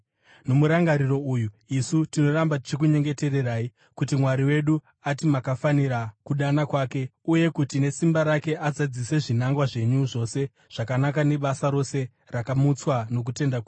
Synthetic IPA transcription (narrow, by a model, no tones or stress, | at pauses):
no̞muɾaŋɡaɾiro̞uːju | isutino̞ɾambat̬i̥t͡ʃik̬uɲe̞ŋɡe̞te̞re̞raːi | kut̬imwaɾiwe̞ɗu | atimakafaniɾakuɗanakwaːke̞uje̞kutine̞simbaɾake̞ʔad͡zad͡zise̞ʐinaŋɡwaʐe̞ɲuʐo̞se̞ | ʐ̥akanakane̞ɓasaɾo̞se̞ | rakamut͡swano̞k̬ute̞ndake